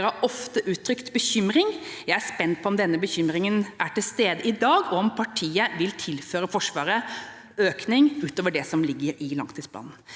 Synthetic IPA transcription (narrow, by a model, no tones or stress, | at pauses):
ɾɑɔft̪əʔʉːt̪ʰːɾʏkt̪bəçʏmɾɪŋjæɪæspɛnt̪̚pʰɔɔmd̪ɛnːəbəçʏmɾɪŋənʔæʈɪlst̪eːd̪əɪd̪ɑːɡɔɔmpʰɑʈʰiːəʋɪlt̪ʰɪlføːɾəfɔʂʋɑːɾə | øːknɪŋʉːt̪oːʋəɖɛsɔmlɪɡːəɾɪlɑ̰ŋt̪ʰiːspʰlɑ̰ːnn̩